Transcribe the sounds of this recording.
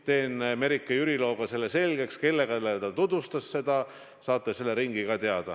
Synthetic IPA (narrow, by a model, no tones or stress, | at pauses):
t̪e̞ːnme̞ɾikːˑɑjyɾilo̞ːɡ̥ɑse̞lːese̞lʲɡ̥e̞kske̞lːe̞ɡ̥ɑlːet̪ɑt̪ud̪̥vust̪ɑsːe̞d̪̥ɑ | sɑːt̪ˑːese̞lːe̞ɾiŋɡ̥iɡ̥ɑt̪eɑd̪̥ɑ̰